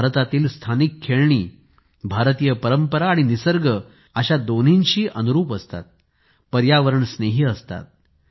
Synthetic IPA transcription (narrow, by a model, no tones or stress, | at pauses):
ɾət̪at̪iːlst̪ʰanikʰːeɭɳḭː | bʱaɾt̪ijəpəɾəmpəɾaːɽ̃inisəɾɡə | əɕad̪on̤inɕiːʔənuɾuːpəst̪a̰t̪̚ | pəɾjaʋəɾəɳsneɦiːəst̪a̰t̪̚